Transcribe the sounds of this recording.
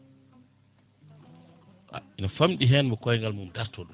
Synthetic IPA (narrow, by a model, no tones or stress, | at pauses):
ʔa̰inafamɗiɦɛnmɔkɔjŋɡalmumdaɾtɔːɗɔ